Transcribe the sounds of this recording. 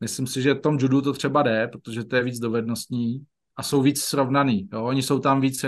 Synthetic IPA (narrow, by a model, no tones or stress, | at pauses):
mɪslɪmsɪʒɛft̪o̞md͡ʒudut̪ot̪r̝̥ɛbadɛpɾot̪o̞ʒɛt̪o̞jɛviːd͡zdo̞vɛdno̞st̪ɲiː | ʔaso̞wviːt͡ssɾo̞vnaniːjoʔoɲɪso̞wt̪amviːt͡s